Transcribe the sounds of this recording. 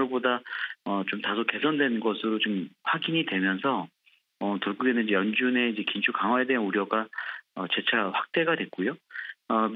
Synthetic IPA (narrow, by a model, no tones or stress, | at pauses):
ɭbodaʌt͡ɕomtasʰoke̞sʰʌndwe̞nnɡʌsʰɯɾot͡ɕomɸwaɡiɲidwe̞mjʌns̬ʰʌ | ʌtoɭɡuɡenɯnd͡ʑejʌnd͡ʑune̞id͡ʑe̞kint͡ɕʰukaŋɦwae̞deɦanuɾjʌɡaʌt͡ɕe̞t͡ɕʰaɸwak̚t͈e̞ɡadwe̞k͈ojoʌ